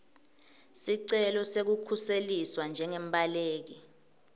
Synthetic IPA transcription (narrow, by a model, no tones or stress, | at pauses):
siǀɛlɔsek̬ukʰuseliswand͡ʒʱɛŋem̩ɓʱʼaleːk̬i